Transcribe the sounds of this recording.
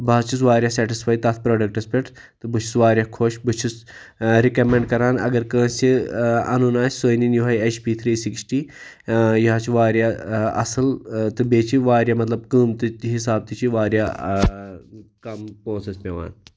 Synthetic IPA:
baːt͡ʃʰis̬ʋaːɾjaːsɛːʈisfʰaːjt̪ɐːt̪ʰpɾoːɖɐk̚ʈɐspʲeʈ | t̪ɨbɨt͡ʃʰi̥sʋaːɾʲjakʰoːʃbɨt͡ʃʰis | ɾikɐmẽɳɖkɐɾaːnɐ̰ɡɐɾkə̃ːsʲt͡ʃiɐ̰nunaːsʲsoːjninjuɦɐjɐt͡ʃpiːt̪ʰɾiːsiksʈiː | jiɦaːt͡ʃʰiʋaːɾjaɐ̰sɨlt̪ɨbeːt͡ʃʰiʋaːɾʲjamɐt̪lɐb̚kəːmt̪ɨɦisaːb̚t̪ɨt͡ʃʰiʋaːɾʲja | kɐmpɾoːsespʲeʋa̰ːn

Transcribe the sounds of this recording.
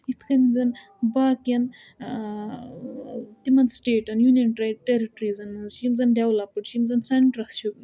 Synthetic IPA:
it̪ʰkɐnizɐn | baːkiɐn | t̪imɐnsʈeːʈɐnjunjɐnʈɾɐʈeɾiʈɾizɐnɐzt͡ʃimzɐnɖʲɐwlɐpɨʈt͡ʃʰimzɐnsɐɳʈɾɐst͡ʃʰu

